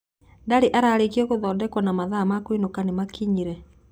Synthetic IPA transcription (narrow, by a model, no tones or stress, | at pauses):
ndaɾeʔaɾaːɾekiɔɣoðɔːndɛkwanamaðamakwinokanemakiɲiɾɛ